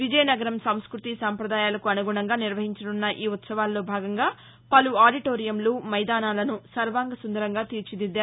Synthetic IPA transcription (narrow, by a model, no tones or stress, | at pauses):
ʋid͡ʒɐjɐnɐɡɐɾɐmsɐmskɾut̪isaːmpɾɐd̪aːjaːlɐkuɐnuɡuɳɐŋɡaːniɾʋɐɦiɲt͡ʃɐɽunːɐʔiːut̪sɐʋaːlːo̞ːbʱaːɡɐŋɡaː | pɐluaːɖiʈoːɾijɐmloːmɐjd̪aːnaːlɐnusɐɾʋaːŋɡɐsund̪ɐɾɐŋɡaːt̪iːɾt͡ʃid̪id̪ːaː